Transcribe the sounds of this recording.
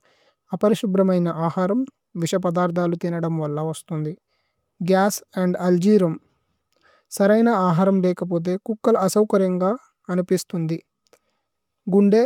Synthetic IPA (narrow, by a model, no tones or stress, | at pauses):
ɐpɐɾiʃubɾɐmɐjnɐʔaːhaːɾɐm | ʋiʃɐp̬ɐd̪aːɾt̪ʰaːlut̪inɐɽɐmʋɐlːɐʋɐst̪und̪i | ɡjaːsɐɳɖɐld͡ʒiːɾɐm | sɐɾɐjnɐaːɦaːɾɐmlɛːkɐp̬o̞ːt̪̬e̞ːkukːɐlɐɐsɐwkɐɾjɐŋɡaː | ɐnipist̪und̪i | ɡuɳɖeː